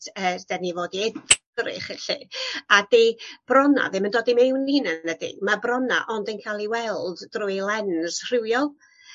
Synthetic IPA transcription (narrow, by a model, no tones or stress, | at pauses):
əːd̥ɛnivoːdiɛd | rɪ̰χəɬɪ̰adeb̥rɔna̰ðɪməndoːdimewninənədɪ̰ɡmabrɔna̰ʔɔndənkʰalˠiwɛlˠdrʊjlˠɛnz̥r̥ɪwjɔlˠ